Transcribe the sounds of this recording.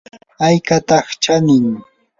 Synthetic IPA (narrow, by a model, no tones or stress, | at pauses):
ajkat̪ɑχt͡ʃanɪŋ